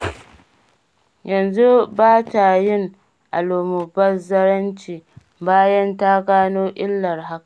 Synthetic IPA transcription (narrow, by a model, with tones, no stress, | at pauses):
jɐ˨nzu˦baː˦ta˨jɪ˦ŋ | ʔa˨loː˨mʊ˨bɐ˦rzɐ˦ɽɐ˦nt͡ʃiː˨ | baː˦jɐ˦nta˦ɡaː˦noː˦ʔɪ˦lːɐ˨rɦa˦ka˨